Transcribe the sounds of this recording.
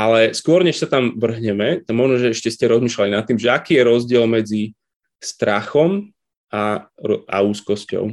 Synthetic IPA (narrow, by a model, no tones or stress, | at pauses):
ʔalɛskʊɔɾɲɛʃsat̪amʋr̩ɦɲɛmɛt̪aɡmɔʒnɔʒɛɛʃcɛscɛɾɔzmiːʃlalinat̪ːimʒɛakiːjɛɾɔzɟɪɛlmɛd͡zi | st̪ɾaxɔm | aʔa̰uːskɔscɔ̰ʊ